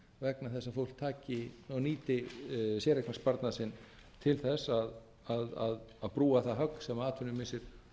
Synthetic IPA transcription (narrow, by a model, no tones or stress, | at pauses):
vɛknaθɛsːafowl̥t̪ʰaːcɪnɔniːt̪ɪsjɛːɾɛknaspaɾt̪nasɪnː | t̪ʰɪlθɛsːað | aðaðaðpɾuːaθaɦœkn̥sɛmaaːt̪ʰʏnːʏmɪsɪɾ̥